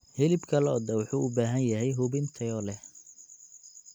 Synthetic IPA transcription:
hɪlɪbkʰɐlɛɔːd̪ɐwʊħuːʊbaːɦɐnjɐɦɛjɦʊbɪnt̪ʰɐjɔːlɛh

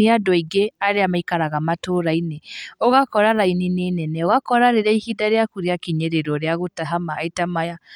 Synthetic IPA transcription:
iadɔiɡeaɾeamaikaɾaɣamatoɾaineɔɣakɔɾaɾaininenɛnɛɔɣakɔɾaɾeɾaihidaɾeakuɾiakiɲeɾeɾɔɾeaɣotaɦamaːitamaja

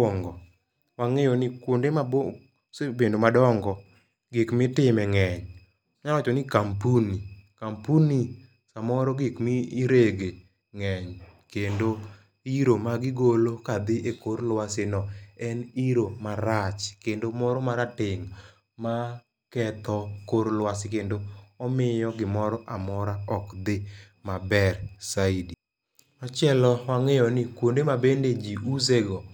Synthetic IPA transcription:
ɔŋɡɔ | waŋɛjonɪkwondemabo | sebendomadɔŋɡɔ | ɡɪkmɪtɪmɛŋɛɲ | ɲawat͡ʃɔnikampunikampuni | samɔɾɔɡɪkmiːɾeɡe | ŋɛɲkendo | iɾomaɡɪɡolokad̪ɪʔekoɾlwasɪnɔɛniɾomaɾat͡ʃkendomɔɾɔmaɾatɪŋ | ma | kɛt̪ɔkoɾlwasɪkendoɔmɪjɔɡɪmɔɾɔʔamɔɾaɔkd̪ɪ | mabɛrsaidi | at͡ʃjɛlɔwaŋɛjɔnɪkwondemabended͡ʒiuzeɡɔ

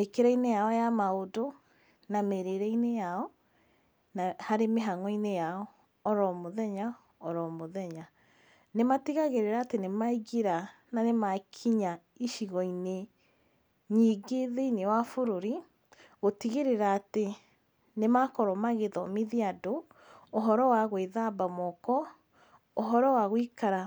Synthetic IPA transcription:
ekeɾɛinejaɔjamaodo | nameɾeɾɛinejaɔ | nahaɾemeɦaŋɔinejaɔː | ɾɔmoðɛɲa | ɔɾɔmoðɛɲa | nematiɣaɣeɾeɾaːtenemaiɣiɾananemakʰiɲa | iʃiɣɔine | ɲiɡeðeinewafoɾoɾi | ɣotiɣeɾeɾaːte | nemakɔɾɔmaɣeðɔmiðiadoː | ɦɔɾɔwaɣweðabamɔkɔ | oɦɔɾɔwaɣwikaɾa

